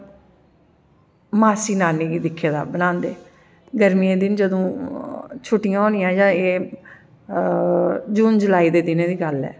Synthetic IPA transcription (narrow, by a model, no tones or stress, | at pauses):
maːsiːnaːniːɡiːd̪ɪkʰːeːd̪a̰ːbənãːnd̪ḛː | ɡəɾmieːd̪ɪnd͡ʒəd̪õː | t͡ʃʰʊʈːɪjãːõːnɪ̃jãːd͡ʒãːeː | d͡ʒuːnd͡ʒʊlaːiːd̪eːd̪ɪnẽːd̪iːɡəlɛ̰ː